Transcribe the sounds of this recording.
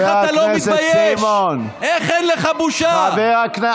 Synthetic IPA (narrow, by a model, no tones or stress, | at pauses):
aatloeisbajemon | eχenleχabuʃaabeʁakna